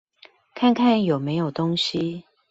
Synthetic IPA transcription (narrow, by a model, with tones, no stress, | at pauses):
kʰa˥˨nkʰa˥˨njo˨˩ʊme˨˧˦ɪjo˨˩ʊt̪o˥ŋɕi˦